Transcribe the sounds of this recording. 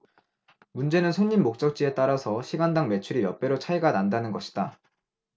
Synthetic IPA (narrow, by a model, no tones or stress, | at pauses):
mund͡ʑe̞nɯnsʰoɲːinmːok̚t͡ɕ͈ʌk̚t͡ɕ͈ie̞t͈aɾasʰʌɕʰiɡandaŋme̞t͡ɕʰuɾijʌp͈e̞ɾot͡ɕʰaiɡanandanɯnɡʌɕʰi̥d̥a